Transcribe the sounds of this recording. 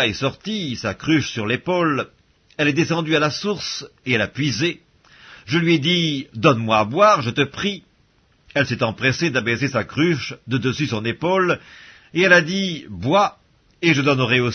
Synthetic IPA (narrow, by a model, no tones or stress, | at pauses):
ɛsɔʁt̪isakχyʃsyʁlepol | ɛlɛd̪esɑ̃d̪yalasuʁseɛlapɥize | ʒəlɥiɛd̪id̪ɔnmwaːbwaʁʒət̪əpχi | ɛlsɛt̪ɑ̃pχesed̪abesesakχyʃd̪əd̪əsysɔ̃nepol | eɛlad̪ibwa | eʒəd̪ɔnəʁɛo